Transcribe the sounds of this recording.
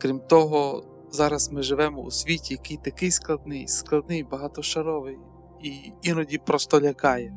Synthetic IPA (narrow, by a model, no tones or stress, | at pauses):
kɾʲimt̪ɔɦɔ | zɑɾɐsmɪʒɪʋɛmɔṵsʲʋʲitʲijɐkɪjt̪ɐkɪjsklˠɐd̪nɪjsklˠɐd̪nɪjbɐɦɑt̪ɔʃɐɾɔʋɪj | iinɔdʲipɾɔst̪ɔlʲɐkɑjɛ